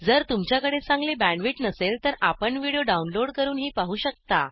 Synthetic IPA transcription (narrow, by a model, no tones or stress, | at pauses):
d͡zəɾt̪umt͡ɕjakəɽesãŋɡlebæɳʋiʈnəselt̪əɾa̰pəɳʋiɽijoɖaunloɽkəɾuːnɦiːpaɦuːɕək̚t̪a